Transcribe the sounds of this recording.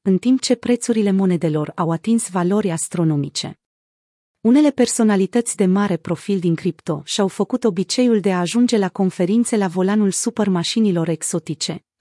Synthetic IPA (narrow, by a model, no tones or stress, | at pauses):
ɨnt̪impt͡ʃe̞pɾe̞t̪suɾile̞mo̞ne̞d̪e̞lo̞rawat̪insvalo̞ɾʲast̪ɾo̞no̞mit͡ʃe̞̰ | une̞le̞pe̞rso̞nalit̪ət̪sʲd̪e̞maɾe̞pɾo̞fild̪iŋkɾipt̪o̞ʃiawfəkut̪o̞bit͡ʃe̞juld̪e̞aːʒund͡ʒe̞lako̞nfe̞ɾint̪se̞lavo̞lanulsupermaʃinilo̞ɾe̞kso̞t̪it͡ʃe̞